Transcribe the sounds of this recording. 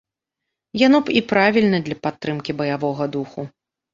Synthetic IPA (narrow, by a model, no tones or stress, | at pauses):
janɔipɾavʲilʲnɐd̪lʲɐpat̪ːɾɨmkʲibɐjavɔɣɐd̪uxu